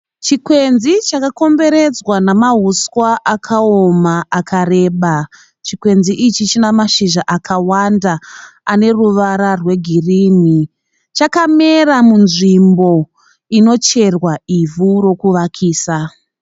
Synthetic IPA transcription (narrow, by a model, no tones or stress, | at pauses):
t͡ʃikwe̞nzit͡ʃakako̞mbe̞ɾe̞d͡zwanamaɦuskwaʔakʰaomaakʰare̞ːɓa | t͡ʃikwe̞nziʔit͡ʃit͡ʃinamaʃiʒaʔakʰawandaːne̞ruʋaɾarwe̞ɡʱiriːni | t͡ʃakameramunʐimbo̞ | ino̞t͡ʃe̞rwaivuro̞kuʋakʰiːsa